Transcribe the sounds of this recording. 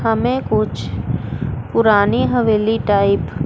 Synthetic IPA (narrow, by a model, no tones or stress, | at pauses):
əmẽkʊt͡ʃʰ | pʊɾaːniɦəʋeːliʈaːɪp